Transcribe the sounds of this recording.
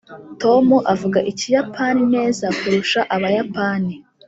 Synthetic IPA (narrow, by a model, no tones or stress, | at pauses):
to̞muʔavuɡaʔicijapʰaːnine̞ːzakuɾuʃaʔaβajapaːni